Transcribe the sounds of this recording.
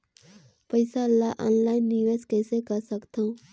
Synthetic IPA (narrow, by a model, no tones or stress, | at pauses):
pəɪsaəlːaʔa̰ːnlaːɪnːɪʋeːskɛːsekəɾsəkt̪ʰã